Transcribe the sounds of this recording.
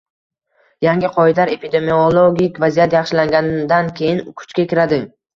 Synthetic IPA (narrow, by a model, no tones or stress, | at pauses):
jaŋɡʲɪqʰɒɪd̪aɾe̞pʰid̪e̞miolˠoɡʲikʲvazijat̪jaχʃɪlaŋɡʲand̪ankʲʰe̞jɪnkʰʊ̥t͡ʃkʲakʲɪɾad̪ɪ